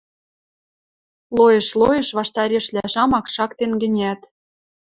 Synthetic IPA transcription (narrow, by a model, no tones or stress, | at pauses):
lojĕʃlojɤ̆ʃβɑʃt̪ɑɾʲeʃlæʃɑmɑkʃɑkt̪enɡɘ̆nʲæt̪